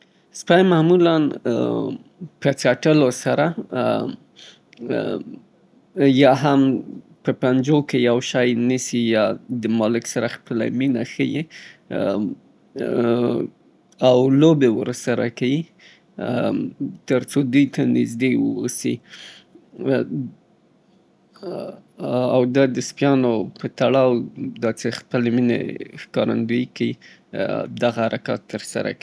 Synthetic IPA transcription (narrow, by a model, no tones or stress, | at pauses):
spɑjmamulan | pət͡saʈəlosaɾa | jɑɦam | pəpand͡ʒokejawʃɑjnəsijɑd̪əmɑlɪksaɾaxpəla̰minaxəji | awlobewəɾsaɾakawi | t̪əɾt͡sod̪ujt̪anɪzd̪ewə̰wosi | awd̪ɑd̪əspjɑnopət̪aɽɑwd̪ɑt͡sexpəleminḛxkɑɾa̰nd̪ujikawi | d̪aɣahaɾakɑ̰t̪ːəɾsa̰ɾa̰ki